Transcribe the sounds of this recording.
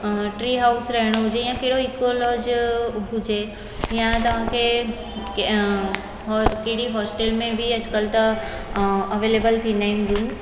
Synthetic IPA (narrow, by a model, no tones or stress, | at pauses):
ʈɾiːɦaːʊsɾɐɦɪɽ̃oɦʊd͡ʑejãkeɦɪɽoikolɔːd͡ʑɦʊd͡ʒe | jãt̪ɐʋ̤ãkʰe | ɦkeɦɪɽiɦɔːsʈelmẽbʱiɐd͡ʑkəlt̪ɐ | ɐʋeːleːbəlt̪ʰinaind̪uːns